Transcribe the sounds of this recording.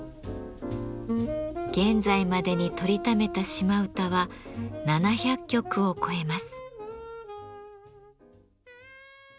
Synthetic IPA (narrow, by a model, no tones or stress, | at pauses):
ɡ̥ẽ̞nd͡zaimad̪e̞ɲ̟it̪o̞ɾʲit̪ame̞t̪aɕimaɯ̟t̪aβananaçakʲːo̞kɯ̟o̞kʰo̞e̞masɨ̥